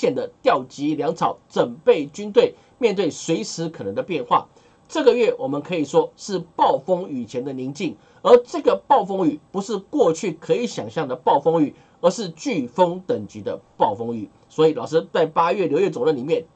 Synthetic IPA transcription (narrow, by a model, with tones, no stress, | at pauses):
jɛ˨˩nd̪ə˦t̪jɑ˥˩ʊt͡ɕi˧˥ljɑ˧˥ŋt͡sʰɑ˨˩˦ʊt͡sə˨˩npe˥˩ɪt͡ɕy˥nt̪we˥˩ɪ | mjnt̪̬we˥˩ɪswe˧˥ɪʂɻ̩˧˥kʰɤ˨˩nə˧˦ŋd̪ə˧pjɛ˥˧nxwa̰˥˩ | ʈ͡ʂɤ˥˩ɡə˨ɥɛ˥˩wʔɔ˨˩mə˨˦nkʰɤ˧˥i˨˩ʂwɔ˥ʂɻ̩˥˧pɑ˥˩ʊfɤ˥ŋy˨˩t͡ɕʰjɛ˧˥nd̪ə˨ni˧˥ŋt͡ɕi˥˩ŋ | ə˞˧˥ʈ͡ʂɤ˥˩ɡə˩pɑ˥˩ʊfo˥ŋy˨˩pu˧˥ʂɻ̩˥˧kwɔ˥˧t͡ɕʰy˥˩kʰɤ˧˥i˧˥ɕjɑ˨˩ŋɕjɑ˥˩ŋd̪ə˩pɑ˥˩ʊfo˥ŋy˨˩ | ə˧˥ʂɻ̩˥˧t͡ɕy˥˩fɤ˥ŋt̪ə˨˩ŋt͡ɕy˧˥d̪ə̰˧pɑ˥˩ʊfɤ˥ŋy̰˨˩˦ | swɔ˧˥i˨˩lɑ˨˩ʊʂ̬ɻ̩˥t͡sa˥˩ɪpa˥ɥɛ˥˩ljo˥˧ʊɥɛ˥˩t͡so˨˩ʊlə˧˥nli˨˩mjɛ˥˩n